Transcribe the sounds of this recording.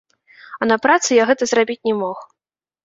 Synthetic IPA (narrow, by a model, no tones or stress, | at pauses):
ɐnɐpɾat̪sɨjaɣɛt̪ɐzrabʲit͡sʲnʲɛmɔx